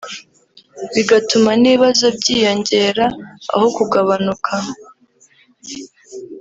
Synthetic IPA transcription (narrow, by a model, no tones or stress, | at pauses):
βiɡatumaniβazo̞bɟiːjo̞ɲɟe̞ːɾaa̰ho̞kuɡaβanukʰa